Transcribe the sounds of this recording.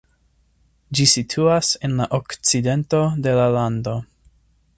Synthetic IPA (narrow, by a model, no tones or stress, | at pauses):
d͡ʒisitʰuase̞nlaʔokt͡side̞nto̞de̞lalando̞